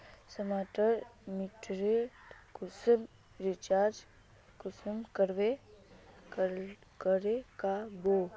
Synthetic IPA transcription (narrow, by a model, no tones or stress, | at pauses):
səmaːʈəɾmiʈɾeʈkʊsəm | ɾɪt͡ʃaːɾd͡ʒ | kʊsəmkəɾʋe | kəɾekabo